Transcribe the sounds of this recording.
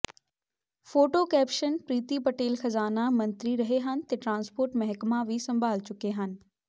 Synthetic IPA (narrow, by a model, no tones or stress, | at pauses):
foːʈokɛːpʃənpɾiːt̪ipɐʈeːlxɐzaːnamɐ̃nt̪ɾiɾɐɦeɦənɪ̆t̪ɐʈɾãːnspoːɾʈmɐɦkmaʋisɐ̃mbʱaːlt͡ɕʊkeɦənɪ̆